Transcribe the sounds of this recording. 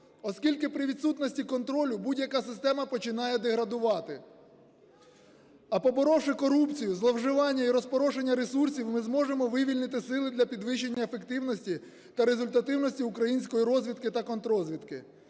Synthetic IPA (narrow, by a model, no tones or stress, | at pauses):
ɔskʲilʲkɪpɾɪʋʲit̪sut̪nɔsʲtʲikɔnt̪ɾɔlʲʊbudʲjɐkɑsɪst̪ɛmɐpɔt͡ʃɪnɑjɛd̪eɦɾɐd̪ʊʋɑt̪ɪ | ɐpɔbɔɾɔʃɪkɔɾupt͡sʲijʊzlˠɐwʒɪʋɑnʲːɐiɾɔspɔɾɔʒe̞nʲːɐɾesursʲiwmɪzmɔʒemɔʋɪʋʲilʲnɪt̪ɪsɪlˠɪd̪lʲɐpʲid̪ʋɪʃːe̞nʲːɐefekt̪ɪwnɔsʲtʲi | t̪ɐɾe̞zʊlʲt̪ɐt̪ɪwnɔsʲtʲiukɾɐjinʲsʲkɔjiɾɔzʲʋʲid̪kɪt̪ɐkɔnt̪ɾɔzʲʋʲid̪kɪ